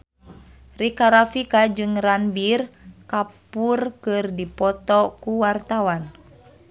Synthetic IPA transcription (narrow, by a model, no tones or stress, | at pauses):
rikaɾafikad͡ʒɨŋranbirkapurkɨrdipɔt̪ɔkuwart̪awan